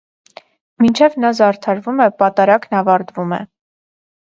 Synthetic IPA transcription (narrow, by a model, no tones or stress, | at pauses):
mint͡ʃʰɛvnɑzɑɾt̪ʰɑɾvumɛpɑt̪ɑɾɑknɑvɑɾt̪vumɛ̰